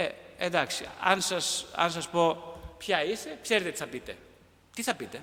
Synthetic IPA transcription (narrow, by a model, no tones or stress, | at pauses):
eed̪aksia̰nsasa̰ns̬ɐspopçaisepçeɾt̪et̪sθɐpit̪ḛ | t̪iθɐpit̪e